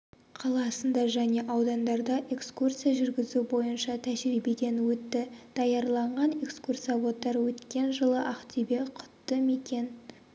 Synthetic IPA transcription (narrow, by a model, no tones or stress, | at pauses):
qʰɑlˠɑsənd̪ɑʒæne̞ʔɑwd̪ɑnd̪ɑɾd̪ɑʔe̞kskursijaʒʏɾɡʲɪzubo̞jənʃɑt̪ʰæʒɾibed̪e̞nwɵt̪ːɪd̪̥ɑjɑɾlˠɑɴʁɑne̞kskursɑbo̞t̪ːɑɾwɵt̪kʲe̞nʒəlˠəʔɑqt̪ibe̞qʰʊ̥t̪ːəme̞kʲe̞n